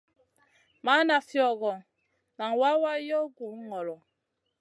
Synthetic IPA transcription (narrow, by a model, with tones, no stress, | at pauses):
ma˦na˨fjɔ˨ɣɔ˨ | na˨ŋ˨wa˦wa˦jɔ˦ɡu˨˦ŋɔ˨lɔ˨